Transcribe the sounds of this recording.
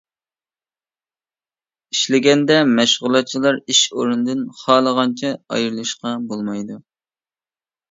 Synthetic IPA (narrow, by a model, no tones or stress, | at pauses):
iʃlɪɡʲɛnd̪ɛmɛʃʁʊlˠɑt̪̚t͡ʃʰilˠɑɾiʃoɾund̪ɨnχɑːlˠəʁɑnt͡ʃʰɛɑ̰jɨɾlˠɨʃqɑbolˠmɑjd̪u